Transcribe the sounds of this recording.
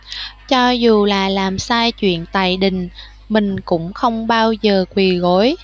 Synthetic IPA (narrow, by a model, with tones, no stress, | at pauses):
t͡ɕɔ˧zu˨˩laː˨˩laː˨˩msaː˧jt͡ɕwḭ˧˨ənt̪a̰ː˧˨jɗï˨˩ŋ̟ | mï˨˩ŋ̟kʊ̰˧˥ŋ͡mxə˧wŋ͡mɓaː˧wzəː˨˩kwi˨˩ɣo˨˦j